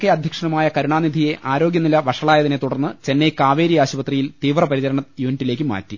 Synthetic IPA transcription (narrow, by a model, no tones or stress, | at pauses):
kːeɐd̪ʱjɐkʂɐɳɐmaːjɐkɐɾuɳaːnid̪ʱije̞ʔʔaːɾoːɡjɐnilɐʋɐʂɐɭaːjɐðine̞t̪uɽɐrnːɨt͡ɕe̞nːekaːʋe̞ːɾijaːɕubɐt̪rijilt̪iːʋrɐpɐɾit͡ɕɐɾɐɳɐjuːniʈːile̞ːk̬ʲːɨma̰ːtːi